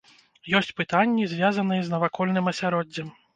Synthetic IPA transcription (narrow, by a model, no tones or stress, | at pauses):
jɔsʲt͡sʲpɨt̪anʲːizʲvʲazɐnɨjɛznɐvakɔlʲnɨmɐsʲaɾɔdd͡zʲːɛm